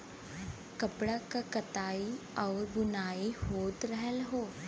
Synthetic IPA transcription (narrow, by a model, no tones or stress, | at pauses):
kɐpɽakakət̪aːiɔːɾbʱʊnaːihoːt̪ɾəɦəlɦoː